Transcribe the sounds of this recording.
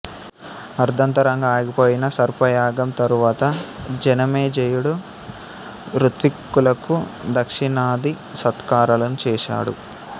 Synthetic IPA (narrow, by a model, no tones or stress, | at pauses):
ɐɾd̪ʱɐnt̪ɐɾɐŋɡaːɡipoːjinɐsɐɾpɐjaːɡɐmt̪ɐɾuʋaːt̪ɐd͡ʒɐnɐmeːd͡ʒejuɽu | ɾut̪ʋikːulɐkud̪ɐkʂiɳaːd̪i | sɐt̪kaːɾɐlɐnut͡ʃɛːʃa̰ːɽṵ